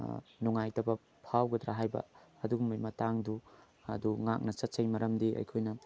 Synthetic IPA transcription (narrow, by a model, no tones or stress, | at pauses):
nuŋajtɐbɐ | pʰawɡɐd̪ɾaɦajbɐ̰ɐduɡumɐjmɐtaŋdu | ɐduŋak̚nɐsɐt̚t͡ʃɐjmɐɾɐmdiɐ̰jkʰojnɐ